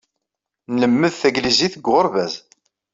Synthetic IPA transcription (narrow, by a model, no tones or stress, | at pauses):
nləmːəðθæɡliziθəɡʁʊɾvæz